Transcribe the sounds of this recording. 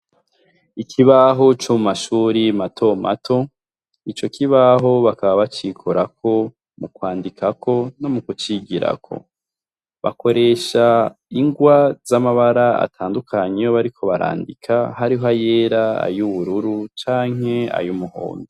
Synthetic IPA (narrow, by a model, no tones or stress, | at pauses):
ikʰiβaɦo̞t͡ʃomumaʃuːɾimatʰo̞ma̰tʰo̞ | it͡ʃo̞kiβaɦo̞βakaβaβat͡ʃikʰoɾakʰo̞ | mukwaːndikʰakʰo̞no̞mukut͡ʃiɡiɾa̰kʰo̞̰ | βa̰ko̞ɾe̞ʃaiŋɡwaz̥amaβaɾaa̰tʰaːndukʰaɲejoβaɾikʰo̞βaɾa̰ːndikʰahaɾiɦoajeːɾaa̰juβuɾuɾut͡ʃaːŋe̞a̰jumuho̰ːndo